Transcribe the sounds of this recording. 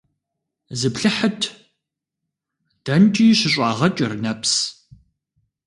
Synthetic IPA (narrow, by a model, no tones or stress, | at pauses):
zɨpɬɨħətʰ | d̥ɐnt͡ʃʼiːɕɪɕʷʼɑːʁɐt͡ʃʼɪrnɐps